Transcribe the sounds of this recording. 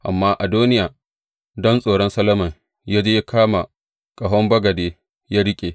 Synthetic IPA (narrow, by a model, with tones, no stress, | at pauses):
ʔa˨mːaː˦ʔa˨duː˦nɪ˦jaː˨ | dɔ˦nsʼoː˨ɽɔ˦nsɐ˦lɐ˦mɐ˨ŋ | jaː˦d͡ʒeː˦ja˦kʰaː˦ma˨ | kʼɐ˨ɦɔ˦mbɐ˦ɡɐ˨deː˦ | ja˦ɽɪ˦kʲʼeː˨